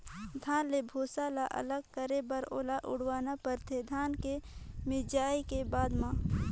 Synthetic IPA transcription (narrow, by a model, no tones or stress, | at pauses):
d̪ʱaːnlebʱoːsalaʔə̰ləɡ̚kəɾebəɾoːlaʔʊ̰ɽ̤waːnapəɾt̪ʰed̪ʱaːnkemɪd͡ʒaːikebaːd̪mã